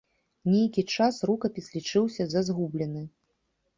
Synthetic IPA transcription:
nʲejkʲit͡ʂasrukɐpʲislʲit͡ʂɨwsʲɐzɐzɣublʲɛnɨ

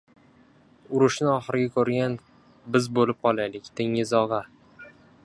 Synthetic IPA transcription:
ʊɾʊʃnɪɒχɨɾɪɡʲakʰɵɾɡʲan | bɪzbolɪp̚qʰɒlˠajlɪkʲt̪ʰɪŋɪzɒʁɑ

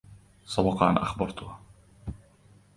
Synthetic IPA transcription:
sˤɑbɑqɑːnʔa̰xbɑɾˤt̪ʊha

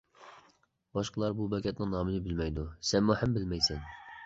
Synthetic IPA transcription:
bɑʃqəlˠɑɾbubɛkʲʰɛt̪nɪŋnɑːmɨlɪbɪlmɛjd̪usɛnmuhæmbɪlmɛjsɛn

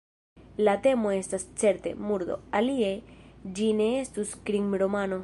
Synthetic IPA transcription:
lat̪e̞mo̞e̞stast͡se̞ɾt̪e̞̰muɾd̪o̞̰alied͡ʒine̞est̪uskɾiŋɾo̞mano̞

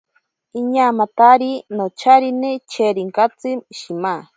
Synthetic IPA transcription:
iɲaːmat̪aɾinot͡ʃʰaɾinet͡ʃʰeɾiŋkat͡sɨʃima

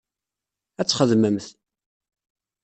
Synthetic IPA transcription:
æt͡sːχəðməmθ

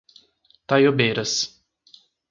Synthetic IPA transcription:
t̪ajobeɾɐs

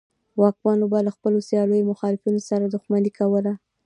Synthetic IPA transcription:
wɑk̚mɑnobɑlaxpəlosjɑləjomʊxɑlɪfinosaɾad̪ʊxmanikawəla

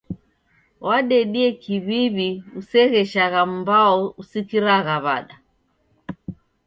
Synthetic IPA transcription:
waɗɛɗiɛkiβiβiusɛɣɛʃaɣam̩baɔusikiɾaɣaβa̰ɗa

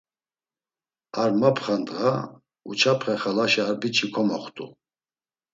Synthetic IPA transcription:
aɾmapʰχand̪ʁa | ṵt͡ʃʰapʰχɛχalaʃiaɾbit͡ʃʰikʰɔmɔχt̪ʼṵ

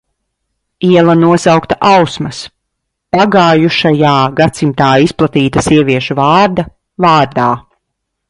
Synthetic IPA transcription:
iɛlˠɐnuɔsawkt̪aʔawsmɐs | paɡaːjuʃajaːɡat̪simt̪aːisplˠat̪iːt̪asiɛviɛʃuvaːɾd̪a | vaːɾd̪aː

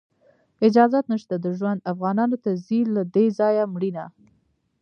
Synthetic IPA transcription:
ɪd͡ʒɑzat̪nəʃt̪ad̪əʒwand̪afɣɑnɑnot̪azilad̪ezɑjamɽina

